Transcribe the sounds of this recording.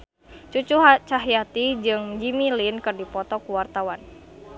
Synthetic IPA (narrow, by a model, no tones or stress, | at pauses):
t͡ʃut͡ʃuɦat͡ʃaɦjat̪id͡ʒɨŋd͡ʒimilinkɨrdipɔt̪ɔkuwart̪awan